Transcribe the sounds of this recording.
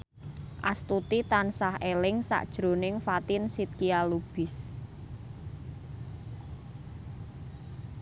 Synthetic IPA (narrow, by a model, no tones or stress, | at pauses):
ʔast̪ut̪it̪ansahelɪŋsa̰ʔd̥ʒ̥ɾo̤nɪŋfat̪ɪnsit̪̚kialub̥ɪ̤s